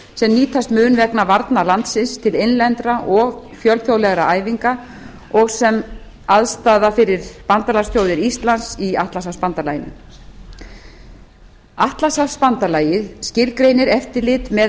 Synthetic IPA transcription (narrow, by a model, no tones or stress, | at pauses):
sɛmniːt̪ʰast̪mʏːnvɛknavaɾt̪nalant̪sɪnst̪ʰɪlenlɛnt̪ɾaʔɔɣfjœlθjowlɛɣɾaʔaːjviŋka | ɔɣsɛm | aðst̪aːðafɪɾɪɾpant̪alast̪ʰjowðɪɾist̪lansiaht̪lasaspant̪alaːjɪnɪ̰ | aht̪lasafspant̪alaːjɪðscɪlkɾeːjnɪɾɛft̪ɪlɪt̪mɛ